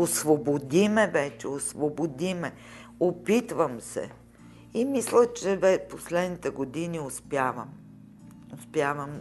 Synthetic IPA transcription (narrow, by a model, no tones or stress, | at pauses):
osvobod̪imɛvɛt͡ʃɛ̰osvobod̪imɛ | opit̪vəmsɛ̰ | imislət͡ʃɛvɛposlɛd̪nit̪ɛɡod̪iniospjavəm | ospjavəm